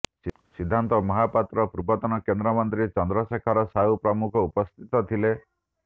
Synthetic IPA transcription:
s | sid̪ʱːant̪ɔmɔɦapat̪ɾɔpɾubɔt̪ɔnɔkend̪ɾɔmɔnt̪ɾit͡ʃɔnd̪ɾɔsekʰaɾɔsaupɾɔmukʰɔupɔst̪ʰit̪ɔt̪ʰile

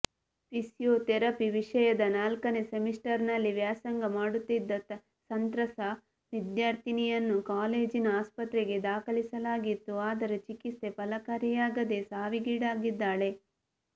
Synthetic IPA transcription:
pisjoːt̪ɛɾɐpiʋiʂɐjɐd̪ɐnaːlkɐnesemisʈɐɾnɐlːiʋjaːsɐŋɡɐmaːɽut̪ːid̪ːɐt̪ɐ | sɐnt̪ɾɐsɐ | ʋid̪jaːɾt̪ʰinijɐnːukaːleːd͡ʒinɐaːspɐt̪ɾeɡe̞d̪aːkɐɭisɐlaːɡit̪ːuaːd̪ɐɾut͡ʃikist̪e̞pɐlɐkɐɾijaːɡɐd̪e̞saːʋiɡiːɽaːɡid̪ːaːɭe̞

